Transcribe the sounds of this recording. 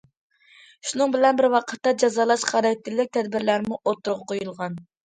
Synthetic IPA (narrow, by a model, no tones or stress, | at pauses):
ʃunɨŋbɪlɛnbɪɾwɑqʰə̥t̪ːɑd͡ʒɑzɑːlˠɑʃχɑɾɛt̪ʰːɪlːɪk̚ʲt̪ʰɛd̪bɪɾlæɾmuʔot̪ːuɾʁɑqʰojulˠʁɑn